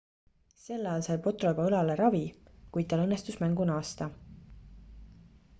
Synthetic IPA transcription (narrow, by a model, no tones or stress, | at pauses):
se̞lːɑjːlsɑjpo̞t̪ro̞bɑɤlɑleɾɑvikujt̪̚t̪ɑlɤnːest̪usmæŋɡ̥unɑːst̪ɑ